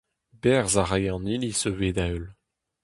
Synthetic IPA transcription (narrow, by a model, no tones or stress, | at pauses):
bɛʁzaʁajɑ̃nilisøveːd̪aøl